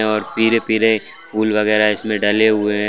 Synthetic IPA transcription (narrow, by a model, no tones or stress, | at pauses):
ɛɔːɾpiɾepɪɾe | puːlʋɐɣɛːɾaɪsmẽɖɐleɦʊeɦɛ̃